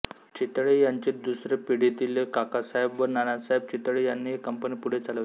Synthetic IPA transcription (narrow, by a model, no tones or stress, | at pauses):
t͡ɕit̪ɭejaɲt͡ɕet̪d̪usɾepiɽ̤et̪ilekakasaɦebʋəɾnanasaɦeb̚t͡ɕit̪ɭejanːiːɦekəmpənipuɽ̤et͡saləʋ